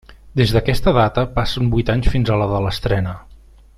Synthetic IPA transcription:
d̪ezðəkɛst̪əðat̪əpasəmbujt̪aɲsfinzələðələst̪ɾɛnə

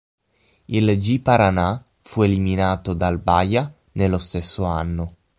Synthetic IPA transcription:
ild͡ʒipaɾana | fueliminaːt̪od̪albaja | nelːost̪esːoanːo

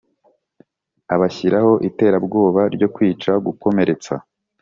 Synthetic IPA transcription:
aβaçiɾaho̞ʔite̞ːɾabɡo̞ːβaɾɟo̞kwiːt͡ʃaɡuko̞me̞ɾe̞t͡sa̰

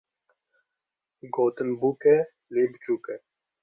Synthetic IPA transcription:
ɡoːt̪ənbuke | liːbt͡ʃuːke

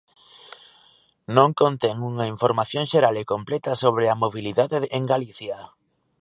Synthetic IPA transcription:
nõŋkont̪ɛŋuŋɐiɱfoɾmaθjõŋʃeɾalekomplɛt̪ɐsoβ̞ɾeamoβiliðaðeʔeŋɡaliθjɐ

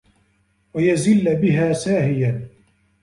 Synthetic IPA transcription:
wajazɪlːbɪɦaːsaːhɪja

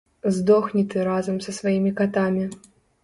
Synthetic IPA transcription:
zd̪ɔxnʲit̪ɨɾazɐmsɐsvajimʲikat̪amʲi

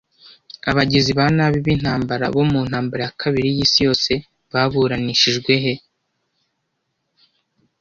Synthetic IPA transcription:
aβaɟiziβanaβiβin̥haːmbaɾa̰βo̞muːn̥haːmbaɾejakʰaβiɾijiːsijo̞ːse̞ | βaβuɾaniʃiʒɡwe̞ɦe̞

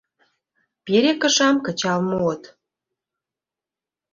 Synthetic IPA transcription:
peɾekə̆ʃɑmkə̆t͡ɕɑlmoot̪

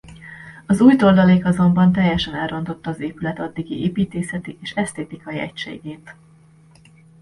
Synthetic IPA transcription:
ɒzuːjt̪o̞rd̪ɒleːkɒzo̞mbɒnt̪ɛjːɛʃɛnɛlro̞nt̪o̞t̪ːɒːzeːpylɛt̪ɒd̪ːiɡiʔeːpiːt̪eːsɛt̪iʔeːʃɛst̪eːt̪ikɒjiɛ̰cʃḛːɡeːt̪

